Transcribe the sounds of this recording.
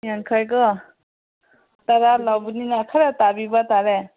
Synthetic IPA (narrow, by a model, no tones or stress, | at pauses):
jankʰajkɯ | t̪aɾalawbuninakʰaɾat̪abibat̪aɾe